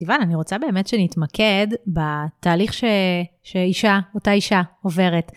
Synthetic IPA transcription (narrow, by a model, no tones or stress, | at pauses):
ivananiʁo̞t͡sabe̞ːmetʃenitmakʰe̞dbataːliχʃe | ʃeiʃaotaiʃaove̞ʁet